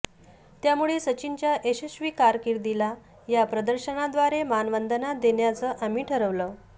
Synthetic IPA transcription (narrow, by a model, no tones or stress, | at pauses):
t̪jamuɭesət͡ɕint͡ɕjaʔeɕuɕʋiːkaɾkiɾd̪ila | japɾəd̪əɾɕənad̪ʋaɾemanʋənd̪ənad̪eɳjat͡səːʔamiːʈʰəɾəʋlə